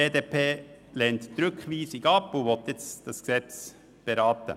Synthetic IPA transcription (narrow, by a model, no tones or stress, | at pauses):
eːd̪eːpʰeː | lɛːntd̪̥ɾʉkʰʋiːsɪɡɑpːoʋɔt̪jɛt͡sd̥ɑsksɛt͡s | b̥eɾɑːt̪ə̰